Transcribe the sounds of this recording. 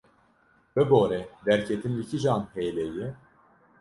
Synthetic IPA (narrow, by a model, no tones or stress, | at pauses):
bɛboːɾɛd̪æɾcʰɛt̪ʰinlicʰiʒaːnhejlɛjɪ